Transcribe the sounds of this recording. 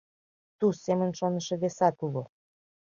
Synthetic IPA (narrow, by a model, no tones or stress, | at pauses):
t̪usemə̆nʃonə̆ʃĕβesɑt̪uɣo